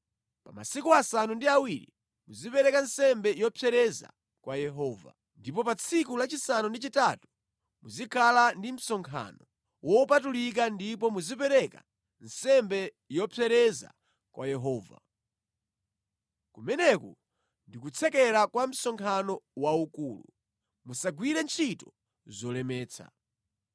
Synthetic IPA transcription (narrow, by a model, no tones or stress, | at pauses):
pama̰sikuasanundiawiɾḭ | muzipɛɾɛkansɛmbɛjɔpʰɛɾɛza̰ | kwajɛɦɔːva̰ | ndipɔpat͡sʰikulat͡ʃisanundit͡ʃitatu̥ | muzikʰalandim̩sɔŋkʰa̰nɔ | wɔpatulik̬andip̬ɔmuzipɛɾɛka | nsɛmbɛ | jɔpʰɛɾɛza̰ | kwʔajɛɦɔːva̰ | kumɛnɛku | ndikut͡sʰɛkɛɾakwam̩sɔŋkʰanɔwaukuːlṵ | musaɡwiɾɛnt͡ʃʰitɔ̥ | zɔlɛmɛːt͡sʰa̰